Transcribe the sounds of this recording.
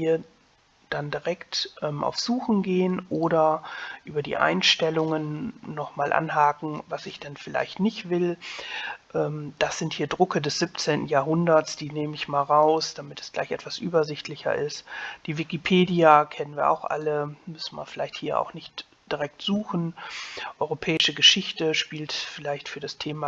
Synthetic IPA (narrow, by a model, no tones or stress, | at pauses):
hiːɐ | d̥andiʁɛktʔɛːmʔa̰ʊfz̥uːxn̩ɡeːənʔoːɾɐʔyːbɐdḭːʔa̰ɪnʃtɛlʊŋənːɔχmaːlʔa̰nɦaːkŋ̩vasɪçd̥anfɪla̰ɪçtnɪçtv̥ɪl | ʔɛːmd̥asz̥ɪnthiːɐdʁʏkədɛsz̥ɪpt͡seːntn̩jaːɐɦʊndɐtsd̥iːneːməɪçmaːlʁaʊsd̥amɪtɛ̥sla̰ɪçɛ̰tv̥asʔyːbɐzɪçtʰlɪçɐ̰ʔɪstd̥iːvɪkipʰeːdiakʰɛnənviːɐʔa̰ʊxʔa̰ləmʏsn̩mḭɐfɪlaɪçthiːɐʔa̰ʊxnɪçt | d̥iʁɛk̚tz̥uːxn̩ʔɔʏʁopʰɛːɪʃəɡəʃɪçtəʃpiːltfɪlaɪçtfyːɐɾastʰeːma